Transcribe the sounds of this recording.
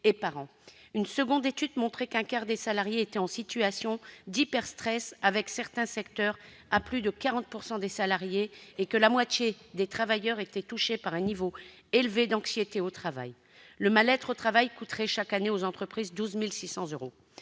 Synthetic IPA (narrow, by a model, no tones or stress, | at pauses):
epaʁɑ̃ | ynsəɡɔ̃d̪et̪yd̪mɔ̃t̪χɛkɛ̃kaʁd̪esalaʁjeːt̪ɛɑ̃sit̪yasjɔ̃d̪ipɛʁst̪χɛsavɛksɛʁt̪ɛ̃sɛkt̪œʁ | aplyd̪əkaʁɑ̃t̪̚puʁsɑ̃d̪esalaʁjeːkəlamwat̪jed̪et̪χavajœʁet̪ɛt̪uʃepaʁɛ̃nivo | elved̪ɑ̃ksjet̪eot̪χava̰j | ləmalɛt̪χot̪χavajkut̪χɛʃakaneozɑ̃t̪χəpχizd̪uzmilsisɑ̃zøʁo